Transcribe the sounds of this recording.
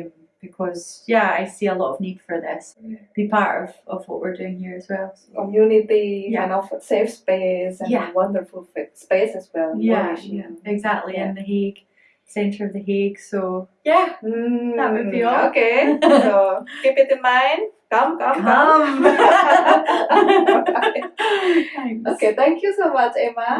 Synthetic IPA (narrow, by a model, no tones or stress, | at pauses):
b̥ɨkʰɔz̥jæa̰ɪsiəlˠɔʔəvnid̥fə˞ðɪsb̥ipʰaɹʔʌvʌvwʌ̰ʔwiɹdʉɪ̃ŋhiɹɨzwɛlˠ | ojɨnid̪̚ðɨkãnɔfsefspesə̃jæwʌ̃ndə˞fəl̩ˠfspesəzwɛlˠjææɪɡzak̚tˡlˠiɪ̃nðɨɦeɡ̥ | sɛ̃ntʰə˞ʌvðɨɦeɡ̥sojæ | okesoɡ̥ipɪt̪ɨmãɪ̃nkʌ̃mkʌ̃mkʌm | okeθæ̃ŋkʰjusomʌt͡ʃemə